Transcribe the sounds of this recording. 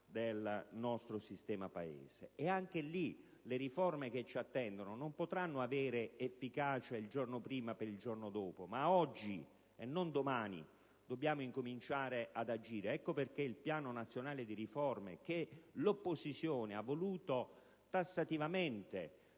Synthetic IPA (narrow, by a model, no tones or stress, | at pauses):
d̪elnɔst̪ɾosist̪ɛːmapaḛːz̥ḛɛaŋk̟eli | leɾifɔrmek̟et͡ʃːiat̪ːɛnd̪ononompot̪ɾanːoavɛːɾeefːikaːt͡ʃaild͡ʒornopɾiːmapeɾild͡ʒornod̪ɔːpomaɔd͡ʒːi | enːond̪omaːnḭ | d̪obːjaːmoiŋkomint͡ʃaːɾeʔad̪ad͡ʒiːɾeɛkːoperkeilpjaːnonat̪sːjonaːled̪iɾifɔrmḛk̟elopːozit̪sːjoːneavːoluːt̪o | t̪asːat̪ivament̪e